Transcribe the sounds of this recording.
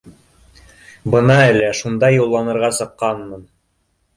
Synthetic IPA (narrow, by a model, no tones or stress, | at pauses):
bɤnɑælæʃund̪ɑjulˠːɑnɤ̆ɾʁɑsɤ̆qːɑnmɤn